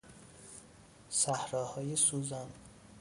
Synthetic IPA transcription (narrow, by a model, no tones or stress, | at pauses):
sæhɾɒːhɒːjesuːzæn